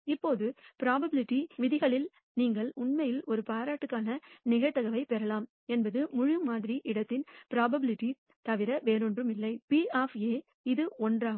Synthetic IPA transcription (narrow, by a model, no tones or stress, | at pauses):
ɪpːoːðɯpɪɾaːbɐbɪlɪʈːiʋɪðɪɣɐɭɪl | niːŋɡɐɭʊɳmɐjɪlɔɾɯpaːɾaːʈːɯkːaːnɐnɪɣɐɻt̪ɐɣɐʋɐɪpɛɾɐlaːm | ɛnbɐðɯmʊɻɯmaːðɪɾiʔɪɽɐt̪ːɪnpɪɾaːbɐbɪlɪʈːi | t̪ɐʋɪɾɐʋeːɾɔndrɯmɪlːɐɪpiːaːfeː | ɪðɯɔndraː